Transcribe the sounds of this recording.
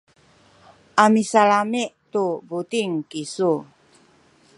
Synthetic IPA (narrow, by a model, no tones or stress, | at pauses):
ʔamisalamiʔt̪ubut̪iŋkisu